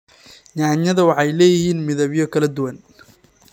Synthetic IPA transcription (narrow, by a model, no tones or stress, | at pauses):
ɲɑːɲɐðɐwɑħɑjlɛːjɪhiːnmɪðɐβjɔkʰɐlɐd̪ʊwɐn